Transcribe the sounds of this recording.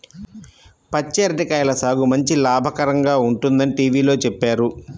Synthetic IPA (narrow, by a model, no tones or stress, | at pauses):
pɐt͡ʃːeːɾɐʈikɐjlɐsaːɡumɐɲt͡ʃilaːbʱɐkɐɾɐŋɡaːuɳʈund̪ɐniʈiːʋiːlo̞ːt͡ʃɛpːaːɾu